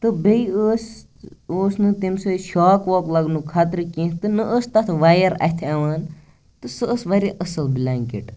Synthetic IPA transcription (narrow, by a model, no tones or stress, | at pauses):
t̪ɨbeiəs | oːsnɨt̪imsɨʃaːkʋoːklɐɡnukʰaːt̪ɾɨkĩːnt̪ɨnɨʔəst̪ɐt̪ʰʋaːjɐɾɐ̰t̪ʰɐʋaːn | t̪ɨsɨəsʋɐɾʲiʔɐsɐlblʲaŋkiʈ